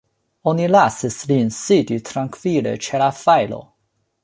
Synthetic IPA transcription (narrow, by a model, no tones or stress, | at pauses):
onilasislinsiditʰɾaŋkvilḛt͡ʃelafajlo̰